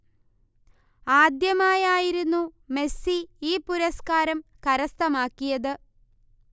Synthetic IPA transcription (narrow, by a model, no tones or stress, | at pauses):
aːd̪jɐmaːjaːjiɾunːume̞siiːpuɾɐskaːɾɐmkɐɾɐst̪ɐmaːkːijɐðɨ